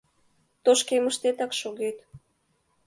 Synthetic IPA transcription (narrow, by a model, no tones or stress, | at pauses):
t̪oʃkeməʃt̪et̪ɑkʃoɣet̪